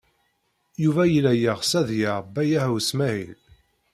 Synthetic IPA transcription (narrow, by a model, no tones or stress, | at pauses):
juvæjəlæjəʁsæðjaɾˤbːæjæhwsmæhḭl